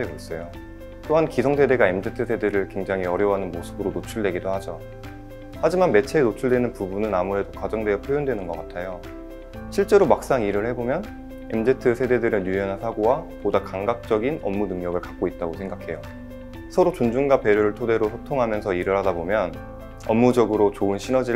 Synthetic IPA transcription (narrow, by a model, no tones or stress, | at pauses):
eɡas͈ʌjo | t͈oɦankisʰoŋsʰe̞de̞ɡaemd͡ʑetʰɯsʰe̞deɾɯɭkwe̞ŋd͡ʑaŋɦiʌɾjʌwɦanɯnmosʰɯbɯɾonot͡ɕʰuɭdweɡidohad͡ʑo | had͡ʑimanme̞t͡ɕʰeinot͡ɕʰuɭdwe̞nɯnpubunɯnamue̞dokad͡ʑʌŋdwe̞jʌpʰjojondwe̞nɯnɡʌk͈atʰajo | ɕʰiɭt͡ɕ͈e̞ɾomak̚s͈aŋiɾɯɭhe̞bomjʌn | e̞md͡ʑetʰɯsʰe̞de̞dɯɾɯjujʌnɦansʰaɡowapodakaŋɡak̚t͡ɕ͈ʌɡinʌmːunɯŋɲʌɡɯɭkḁk̚k͈oit̚t͈aɡosʰe̞ŋɡakʰe̞jo | sʰʌɾot͡ɕond͡ʑuŋɡape̞ɾjoɾɯɭtʰode̞ɾosʰʌtʰoŋɦamjʌnsʰʌiɾɯɭɦadabomjʌn | ʌmːud͡ʑʌɡɯɾot͡ɕoɯnɕʰinʌd͡ʑi